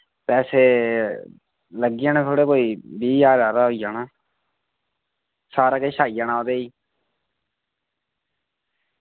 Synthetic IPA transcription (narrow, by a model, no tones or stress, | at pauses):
pɛːseː | ləɡːɪjãːneːt̪ʰoːɽeːkoːiːbiːjaːɾaːɾaːɦoːijaːnaː | saːɾaːkeːʃaːijãːnaːoːd̪eːiː